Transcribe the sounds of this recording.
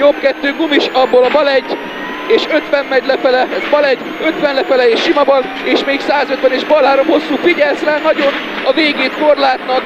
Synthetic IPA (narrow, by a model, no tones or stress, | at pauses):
jopkɛt̪ːøːɡumiʃɒbːoːlɒbɒlɛɟː | eːʃøt̪ʋɛmːɛɟlɛfɛlɛbɒlɛɟː | ø̞t̪ʋɛnlɛfɛlɛeːʃːimɒbɒl | eːʃmeːksaːzø̞t̪ʋɛneːʒbɒlɦaːɾomho̞sːuːfiɟɛlsraːnɒɟo̞n | ɒveːɡeːt̪ko̞rlaːt̪nɒk